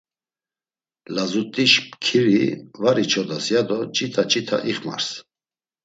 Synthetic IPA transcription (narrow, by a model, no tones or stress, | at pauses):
lazut̪ʼiʃpkʰiɾivaɾit͡ʃʰɔd̪asjad̪ɔt͡ʃʼit̪ʰat͡ʃʼit̪ʰa̰ʔiχma̰ɾs